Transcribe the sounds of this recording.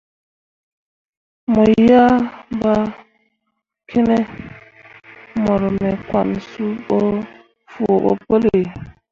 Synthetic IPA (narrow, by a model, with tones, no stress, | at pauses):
mɔ˨ja˦ba˦ | kʰe˦nɛ˦ | mɔ˨ɾɔ˨mɛ˨kwa̰˨nsu˦ɓɔ˦ | fu˨ɓɔ̰˨po˦le˨